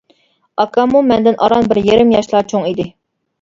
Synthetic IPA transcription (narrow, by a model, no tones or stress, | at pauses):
ɑkʰɑmumɛnd̪ɪnʔɑɾɑnbɪɾjeɾɪmjɑʃlˠɑt͡ʃʰoŋid̪ɪ